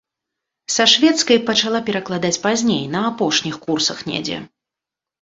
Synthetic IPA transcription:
sɐʂvʲɛt̪skɐjpɐt͡ʂalˠapʲɛɾɐklˠad̪at͡sʲpazʲnʲḛjnɐaːpɔʂnʲixkursɐxnʲɛ̰d͡zʲɛ̰

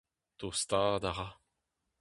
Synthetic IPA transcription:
t̪ost̪aːd̪aʁa

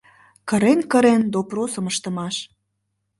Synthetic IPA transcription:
kə̆ɾenkəɾend̪oprosə̆məʃt̪ə̆mɑʃ

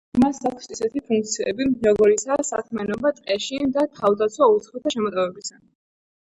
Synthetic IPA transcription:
masakʰsisɛt̪ʰipʰuŋk̚t̪sʰiɛbiʒaɡɔɾisaːsa̰kʰmɛnɔbat̪ʼqʼɛʃid̪at̪ʰavd̪at̪sʰwaut̪sʰχɛt̪ʰaʃɛmɔt̪ʼɔvɛbisa

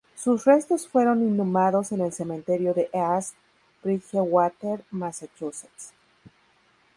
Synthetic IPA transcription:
susre̞st̪o̞sfwe̞ɾo̞ninːũmaðo̞se̞ne̞lse̞mẽnt̪e̞ɾjo̞ðe̞ʔas | bɾiʝewat̪eɾmasat͡ʃuseks

